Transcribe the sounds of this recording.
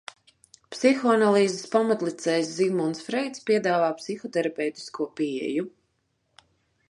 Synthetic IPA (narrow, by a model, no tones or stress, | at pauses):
psixɔanalˠiːzespamat̪lˠit̪sɛjszimɔnsfɾɛjt̪spʲiɛd̪aːvaːpsixɔt̪ɛɾapʲɛwt̪i̥skuɔpiɛ̰ju